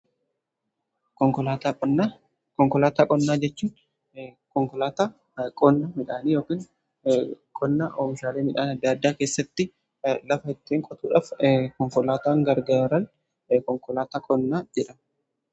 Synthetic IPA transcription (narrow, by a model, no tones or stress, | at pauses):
kɔŋkɔla | kɔŋkɔlaːt̪aːkʼɔnːaːd͡ʒɛt͡ʃːuːn | kɔŋklaːt̪a | kʼɔnːamɪᶑaːniːjo̞ːkiːŋ | kʼɔnːaʔoːfɪʃaːleːmɪᶑaːnɐd̪ːad̪ːaːkeːsːɐt̪ːɪ | lɐfɐɪt̪ːeːŋkʼɔt̪uːᶑaːfkɔɱfɔlaːt̪aːŋɡɐɾɡaːɾɐn | kɔŋkɔlaːt̪aːkʼɔnːaːd͡ʒɛᶑɐ